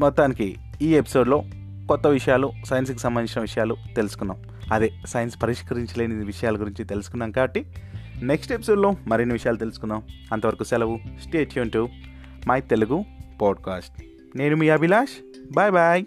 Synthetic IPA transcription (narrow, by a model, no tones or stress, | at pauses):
mɔt̪ːaːnikḭ | iːepi̥so̞ːɖlo̞ː | kɔt̪ːɐʋiʂɐjaːlusɐjɐns̬kusɐmbɐnd̪iɲt͡ʃinɐʋiʂɐjaːlut̪e̞lusu̥kunːa̰ːm | ɐd̪eːsɐjɐnspɐɾiʂkɐɾiɲt͡ʃɐleːniʋiʂɐjaːlɐɡuɾiɲt͡ʃit̪e̞lusu̥kunːaɐŋkaːbɐʈːineksʈe̞pi̥so̞ːɖlo̞ːmɐɾinːiʋiʂɐjaːlut̪e̞lusu̥kunːaːmɐnt̪ɐʋɐɾɐkusɛlɐʋusʈeːʈʰjuɳʈu | maːjt̪e̞luɡupaːɖ̚kaːsʈ̚ | ne̞ːnumiːɐbilaːʃ | baːjbaj